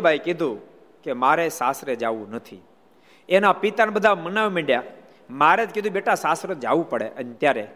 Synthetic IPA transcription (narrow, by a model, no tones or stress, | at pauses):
bʱajkɪd̪ʱũ | kemaɾesasɾed͡ʒaʋũnət̪ʰḭ | enapit̪anbəd̪ʱamənaʋmiɖja | maɾet̪kid̪ʱũbeʈasasɾəd͡ʒaʋũpəɽḛʔənt̪jaɾe